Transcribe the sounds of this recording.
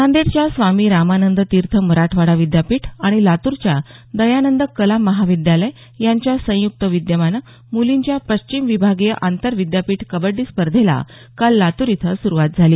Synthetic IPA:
sãnd̪eɽt͡ɕjasʋamiːɾamanənd̪t̪iɾt̪ʰəməɾaʈʰʋaɽaʋid̪japiːʈʰaɽ̃ilat̪uɾt͡ɕjad̪əjanənd̪əkəlaməɦaʋid̪jaləj | jaɲt͡ɕjasə̃juk̚t̪əʋid̪jəmanə | muliɲt͡ɕjapəɕt͡ɕimʋibʱaɡjeʔant̪əɾʋid̪japiːʈkəbəɖːiːspəɾd̪ʱela̰ | kalːat̪uɾit̪ʰəsuɾuʋat̪̚d͡zʱaliː

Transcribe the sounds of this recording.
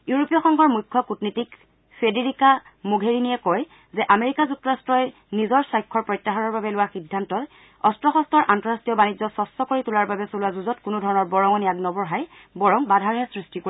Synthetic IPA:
juɹopijɔxɔŋɡʱɔɹmujkʰːɔkutnitik | fʰedeɹikamoɡʱeɹinijɛkɔj | zɛʔameɹikazuk̚tːɔɹastɹɔj | nizɔɹsajkʰːɔɹpɹɔjtːaɦɔnɔɹbabɛlʊwaxidʱːantɔt | ɔstɹɔxɔstʰɔɹʔantɔɹastijɔbanid͡ʒɔsɔstɔkoɹitulaɹbabɛsolʊwazuzɔtkʊnʊdʱɔɹɔnɔɹbɔɹɔŋɔnijaɡnɔbɔɹɦaj | bɔɹɔŋbadʱaɹɦɛsɹistiko

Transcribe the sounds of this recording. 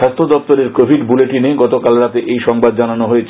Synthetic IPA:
ʃast̪ʰɾod̪ɔpt̪oɾeɾkobʱiɖbuleʈineɡɔt̪okalɾat̪eʔejʃɔŋbad̪̚d͡ʑananoɦojet͡ɕʰ

